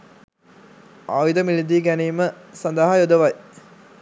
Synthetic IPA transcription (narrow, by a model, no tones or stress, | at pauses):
a̰ʋid̪əmilid̪iːɡæniːməsɐnd̪əɦajod̪əʋaj